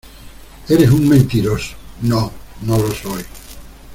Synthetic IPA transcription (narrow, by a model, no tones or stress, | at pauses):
eɾesuŋmẽnt̪iɾoso̥nonolosoj